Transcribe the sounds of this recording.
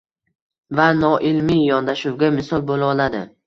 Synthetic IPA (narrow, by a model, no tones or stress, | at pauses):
vanɒʔɪlmijɒnd̪aʃuwɡʲamɪsɒlˠbolɒlad̪ɪ